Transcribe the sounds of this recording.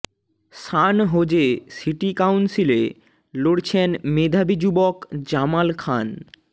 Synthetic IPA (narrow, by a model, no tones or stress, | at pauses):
ʃanɦod͡ʑesiʈikawnsile | loɽt͡ɕʰenmed̪ʱabid͡ʑubokd͡ʑamalkʰan